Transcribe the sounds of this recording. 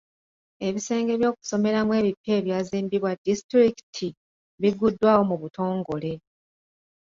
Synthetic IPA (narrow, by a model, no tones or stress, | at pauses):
e̞βise̞ːŋɡe̞βjoːku̥so̞me̞ɾamwe̞ːβipːe̞ːβjaːziːmbiβwadistɾiki̥tʰi | βiɡudːwaːwo̞muβuto̞ːŋɡo̞le̞